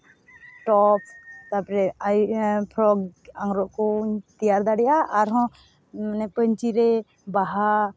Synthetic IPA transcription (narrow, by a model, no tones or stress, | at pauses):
ʈɔp̚ʰt̪apɾɛajpʰɾɔɡaŋɡɾɔʔkɔt̪ijaɾd̪aɽɛjaʔaɾɦɔ̃ | nɛpəɲt͡ʃiɾɛ | baɦa